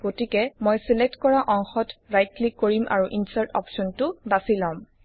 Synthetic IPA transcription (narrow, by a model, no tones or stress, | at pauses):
ɡ̥otikɛmojsɛlɛk̚tkɔɹaʔɔŋxɔtɹajt̚likːoɹimʔa̰ɹuʔinsaɹtɔ̰psɔntʊbasilãm